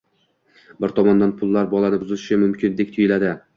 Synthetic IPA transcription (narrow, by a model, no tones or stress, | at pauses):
bɪɾt̪ʰɒmɒnd̪anpʰʊlˠːaɾbɒlˠanɪbʊzɪʃɪʃɪmʊmkʲɪnd̪ek̚ʲt̪ʰʊjɪlad̪ɪ